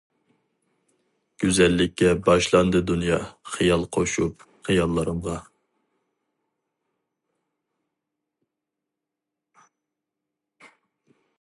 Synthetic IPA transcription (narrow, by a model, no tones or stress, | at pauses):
ɡ̥ʲyzɛlːɪkʲʰːɛbɑʃlˠɑnd̪ɨd̪unjɑχɨjɑlˠqʰoʃup̚ | χɨjɑlˠːɨɾɨmʁɑ